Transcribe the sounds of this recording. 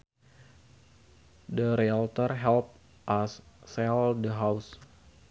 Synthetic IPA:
dəɾialt̪ərɦɛlp̚ | ʔasːɛldəɦaws

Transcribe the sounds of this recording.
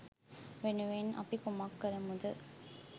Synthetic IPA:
ʋenuʋenʔɐ̰pikumakːɐɾɐmud̪ɯ

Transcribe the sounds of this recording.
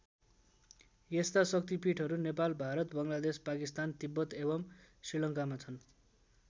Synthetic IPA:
jest̪asʌk̚t̪ipiʈʰʌɾunepalbʱaɾʌt̪bʌŋlad̪espakist̪ant̪ibːʌt̪ebʌmsrilʌŋkamat͡sʰʌn

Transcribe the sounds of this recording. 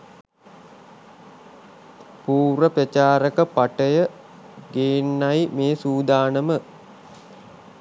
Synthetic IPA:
puːɾəprət͡ʃaːɾəkəpaʈəjə | ɡeːnːajmeːsuːd̪aːnəmə

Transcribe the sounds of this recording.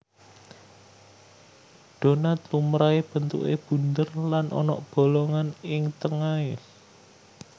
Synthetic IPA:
ɖ̪̥o̤nat̪lumɾaeb̥ə̤nt̪ṵʔeb̥ṳnd̪ərlanʔɔ̰nɔ̰ʔb̥o̤lɔŋanɪŋt̪əŋae

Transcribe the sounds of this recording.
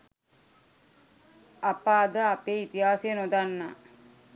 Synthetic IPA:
apaːd̪əapeːit̪iɦaːsejənod̪anːa̰ː

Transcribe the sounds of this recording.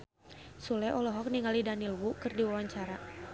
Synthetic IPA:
sulɛʔɔlɔɦɔk̚niŋalidanilwukɨrdiwawaɲt͡ʃaɾa

